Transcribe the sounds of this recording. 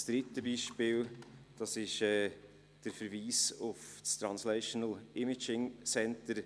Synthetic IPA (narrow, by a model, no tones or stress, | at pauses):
sd̪̥ɾɪtːəbiːʃpɪːld̥ɑsɪʃɛː | d̥əɾfəɾʋiːsʊfst̪ɾɑnslɛʃɔnəlɪmɪt͡ʃɪŋsɛntəɾ